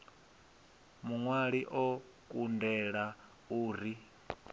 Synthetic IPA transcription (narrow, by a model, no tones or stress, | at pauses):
muŋwaɺiʔɔ | kʼundɛɺa | uːɾi